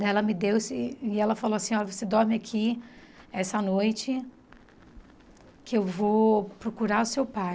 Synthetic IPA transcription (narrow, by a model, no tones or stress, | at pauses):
d̪ɛlɐmɪd̪ewsɪɪɛlɐfaloasĩɔɾɐvosed̪ɔɾmɪakʰi | ɛsɐnojt͡ʃɪ | kɪewvopɾokuɾaɾʊsewpaj